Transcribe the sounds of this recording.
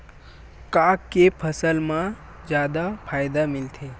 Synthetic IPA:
kaːkːepʰəsəlmã | d͡ʒjaːd̪apʰaːjd̪amɪlt̪ʰe

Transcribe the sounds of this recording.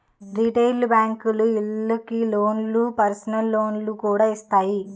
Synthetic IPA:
ɾiʈeːlbaːŋkuluiɭːɐkiloːnlupɐɾsɐnɐlːo̞ːnlukuːɽaːist̪aːji

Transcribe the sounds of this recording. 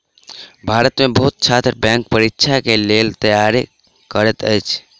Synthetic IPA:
bʱaɾət̪mebəɦut̪̚t͡ʃʰat̪ɾbɛ̃ŋk̚pəɾikːt͡ʃʰakelelt̪əjaɾe | kəɾɛt̪əjt͡ʃʰ

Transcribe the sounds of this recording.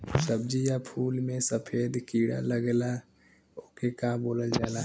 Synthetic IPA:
səbd͡ʒijapʰuːlmẽsəpʰeːd̪kiːɽa̰ləɡla | oːkekãːboːləld͡ʒaːlaː

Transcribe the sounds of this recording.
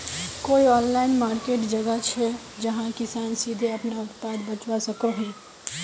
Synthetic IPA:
koːiɔːnlaːɪnmaːɾkeːʈd͡ʒɐɡət͡ʃʰɛ | d͡ʒɐɦãkɪsaːnsiːd̪ʱeɐpnaʊpaːd̪bɐt͡ʃwasɐkoɦɛ̃ː

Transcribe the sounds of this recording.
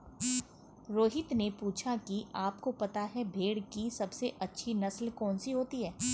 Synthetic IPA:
ɾoːɦɪt̪nepuːt͡ʃʰakiʔaːpkopɐt̪aɦɛbʱeːɽkisɐbseʔɐtːʃʰinɐslkɔːnsiɦoːt̪iɦɛː

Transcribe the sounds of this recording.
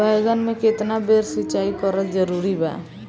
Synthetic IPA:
ajɡənmẽkɪt̪nabeɾsɪt͡ʃaːikəɾəd͡ʒəɾuɾiba̰ː

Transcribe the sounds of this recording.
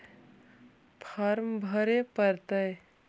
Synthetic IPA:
pʰəɾmbʱəɾepəɾt̪əj

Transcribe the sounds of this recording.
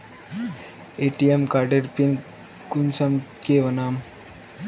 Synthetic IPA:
eːʈijemkaːɾɖeɾpin | kunsɐmkeʋɐnaːm

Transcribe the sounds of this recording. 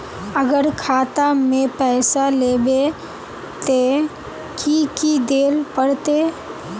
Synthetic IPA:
əɡəɾkʰaːt̪amẽpɛːsalebe | t̪e | kikid̪eːlpəɽt̪e

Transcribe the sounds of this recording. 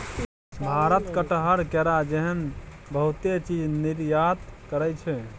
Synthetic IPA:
bʱaɾət̪kəʈɦəɾkɛɾad͡ʒɛɦən | bəɦut̪et͡ʃid͡ʒniɾjat̪kəɾɛt͡ʃʰɛ

